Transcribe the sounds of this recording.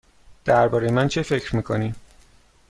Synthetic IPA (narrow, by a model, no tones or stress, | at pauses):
d̪̥æɾbɒːɾejemænt͡ʃʰefe̞cʰɾmiːkʰoniːm